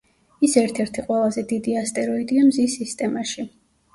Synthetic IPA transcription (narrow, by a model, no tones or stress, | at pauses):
isɛɾt̪ʰɛɾt̪ʰiqʼwɛlˠazɛd̪id̪iast̪ʼɛɾɔid̪iamzisːist̪ʼɛmaʃi